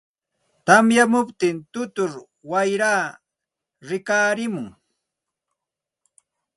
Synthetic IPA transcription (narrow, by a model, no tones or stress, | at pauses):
t̪amjamʊpt̪ɪnt̪ʊt̪ʊɾ | wajɾaː | ɾɪkaːɾɪmʊŋ